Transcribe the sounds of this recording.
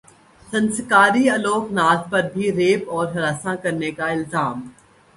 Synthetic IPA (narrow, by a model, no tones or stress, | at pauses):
sɐ̃nskaːɾiɐloːknaːt̪pɐɾbʱiɾeːpɔːɾɦɐɾaːsãkɐɾnekaɪlzaːm